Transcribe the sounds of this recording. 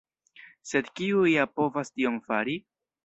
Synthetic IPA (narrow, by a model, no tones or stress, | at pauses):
se̞dkiuiapo̞vastio̞mfaɾi